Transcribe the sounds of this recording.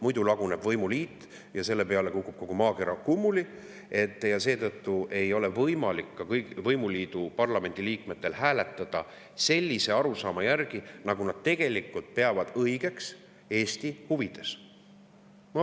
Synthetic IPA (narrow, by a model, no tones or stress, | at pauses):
mujd̪ulɑɡ̥une̞b̥vɤjmuliːt̪ːˑ | jɑse̞lːe̞pe̞ɑle̞kukːˑub̥̚ko̞ɡ̥umɑːɡeɾɑkumːuli | e̞t̪ːˑjɑse̞ːt̪ɤt̪ːuʔe̞jo̞le̞vɤjmɑlikːɑkɤjɡvɤjmuliːd̪̥upɑrlɑme̞nʲd̪̥iliːkme̞t̪ːˑe̞lhæːle̞t̪ːˑɑd̪̥ɑ | se̞lʲːise̞ɑɾusɑːmɑjærɡ̥inɑɡunɑd̪̥̚t̪e̞ɡ̥e̞likːˑult̪̚pe̞ɑvɑd̪̥ɤ̞jɡ̥e̞ks | e̞ːsʲt̪ihuvid̪̥e̞s | mɑ